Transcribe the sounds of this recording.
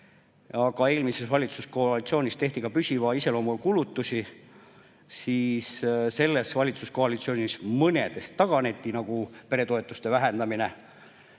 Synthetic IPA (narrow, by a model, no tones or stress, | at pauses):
ɑɡɑe̞ːlmise̞svɑlʲit̪susko̞ɑlit̪sio̞ːnʲist̪e̞ht̪ikɑpysʲivɑise̞lo̞ːmukulut̪ːˑusʲi | siːsse̞lːe̞svɑlʲit̪susko̞ɑlit̪sio̞ːnʲismɤne̞̰d̪̥est̪ːɑɡ̥ɑne̞t̪ːˑinɑɡ̥upe̞ɾe̞t̪o̞e̞t̪ːˑust̪e̞væɦend̪̥ɑmine